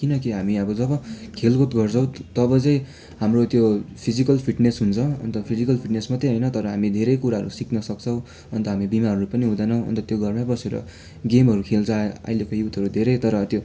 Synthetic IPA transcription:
kinʌkiɦamiʌbʌd͡zʌbʌkʰelɡot̪ɡʌrt͡sʰʌw̃t̪ʌbʌt͡sʌjĩ | ɦamrot̪jopʰid͡zikʌlpʰiʈnesɦunt͡sʰʌʌ̰nt̪ʌpʰid͡zikʌlpʰiʈnesmat̪ʌɦʌjnʌt̪ʌɾʌɦamid̪ʱeɾʌjkuɾaɦʌɾusikʰnʌsʌk̚t͡sʰʌw̃ | ʌnt̪ʌɦamibimaʌɾupʌniɦũd̪ʌnʌw̃ʌ̰nt̪ʌt̪joɡʱʌrmabʌseɾʌ̰ | ɡemɦʌɾukʰelt͡sʰʌʌ̰jlekojut̪ʰʌɾud̪ʱeɾʌjt̪ʌɾʌt̪jo

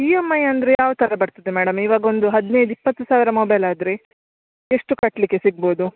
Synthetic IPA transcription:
iːemɐjɐnd̪ɾejaːʋt̪ʰɐɾɐbɐɾt̪id̪emæːɽɐmiːʋaːɡɐo̞nd̪uɦɐd̪nejd̪uipːɐt̪ːusaːʋiɾɐmobɐjlaːd̪ɾe | eʂʈukɐʈlikːe̞siɡ̚bo̞ːd̪u

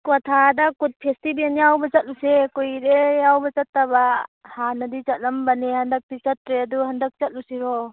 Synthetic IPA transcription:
kɔtʰadakut̚pʰestibenjawbɐt͡ʃɐt̚lusekujɾejawbɐt͡ʃɐtːabahanɐdit͡ʃɐt̚lɐmbɐnehɐndɐk̚tit͡ʃɐt̚ɾeaduhandɐk̚t͡ʃɐt̚lusiɾɔ

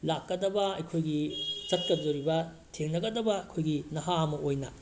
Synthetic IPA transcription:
lakːɐdɐbɐɐjkʰojɡit͡ʃɐt̚kɐd͡ʒoɾibɐ | tʰeŋnɐɡɐdɐbɐɐjkʰojɡinɐɦaɐmɐojnɐ

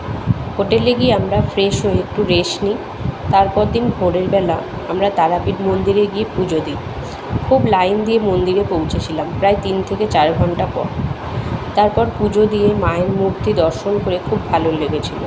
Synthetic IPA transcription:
hoʈeleɡieamɾafɾeʃoek̚ʈuɾeʃni | t̪aɾpɔɾd̪inbʱoɾeɾbɛla | amɾat̪aɾapiɾmond̪iɾeɡiepud͡ʑod̪i | kʰublajnd̪iemond̪iɾepowt͡ɕʰet͡ɕʰilampɾaet̪int̪ʰeket͡ɕaɾɡʱɔɳʈapɔ̰ɾ | t̪aɾpɔɾpud͡ʑʱod̪ijemaeɾmuɾt̪id̪ɔɾʃonkoɾekʰubːʱaloleɡet͡ɕʰila̰

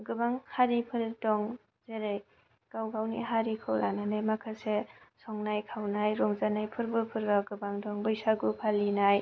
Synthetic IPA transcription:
ɡɯbaŋhaɾipʰɯɾdɔŋ | zeɾɯj | ɡ̥awɡawnḭɦaɾikʰɯwɾa̰nanajmakʰasesɔŋnajkʰawnajɾɔŋzanajpʰɯɾbɯpʰɯɾɡaɡɯbaŋdɔŋbɯjsaɡupʰalːinaj

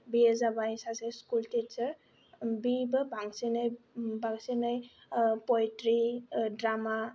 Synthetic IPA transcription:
biezabajsaseskultit͡ʃəɾ | bibəbʱaŋsinəjbaŋsinaj | pɔjtɾidɾama

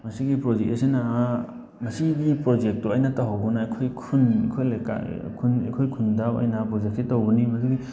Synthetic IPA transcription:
mɐsiɡipɾod͡ʒekesena | mɐsiɡipɾod͡ʒek̚toɐjnataɦawɡɔnaakʰojkʰunekʰojlaka̰kʰuna̰kʰojkʰundawɐ̰jnapɾod͡ʒek̚sitawbunimɐduɡi

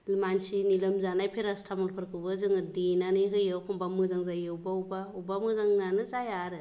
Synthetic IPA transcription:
lmansinilɯmzanajpʰeɾastʰamulpʰɯɾkʰɯbɯzɯŋɯdinanɯɦɯjɯwkʰɔmbamɯzaŋzajɯwbawbaubamɯzaŋnanɯzajaɾɯ

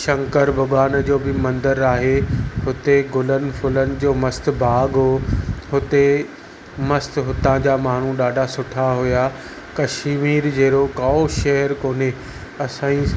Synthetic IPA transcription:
ʃɐ̃ŋkəɾbʱɐɡaːnd͡ʑoːbɪmɐ̃nd̪əɾaːɦehʊt̪eɡʊlənɪ̆fʰʊlənɪ̆d͡ʑoːmɐst̪̆bʱaːɡɦoɦʊt̪e | mɐst̪ɦʊt̪ãd͡ʑaːmaːɳ̤ũɗaːɖʱasʊʈʰaɦʊja | kɐʃmiːɾd͡ʑeːɾokaoʃɐɦəɾkoːne | ɐsãːĩ

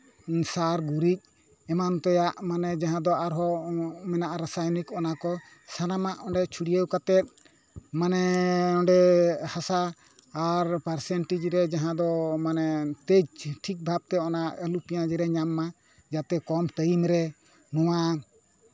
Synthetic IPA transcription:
saɾɡuɾic̚ | ɛmant̪ɔjaʔmanɛd͡ʒaɦãd̪ɔaɾɦɔmɛnaʔaɾasajnikɔnakɔ | sanamaʔɔɳɖɛt͡ʃʰuɽijəwkat̪ɛt̪̚ | manɛɔɳɖɛhasaː | ɾpaɾsɛɳʈid͡ʒɾɛd͡ʒaɦãd̪ɔmanɛt̪ed͡ʒʈʰik̚bʱab̚t̪ɛɔnaʔəlupijãd͡ʒɛɾɛɲamːa | d͡ʒat̪ɛkɔmt̪əjimɾɛ | nɔwa

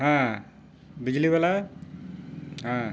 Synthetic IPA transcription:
ɦã | bid͡ʑlibɛla | ɦã

